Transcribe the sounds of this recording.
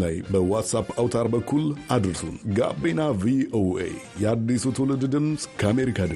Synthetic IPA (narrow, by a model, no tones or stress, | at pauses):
lajbəwat̪sapawt̪ʰaɾbəkʰːulad̪ɾɨsṵnɡa̰benavioḛjɛad̪ːisut̪ʰolɨd̪d̪ɨmsʼkʰəame̞ɾikʰad̪ɨ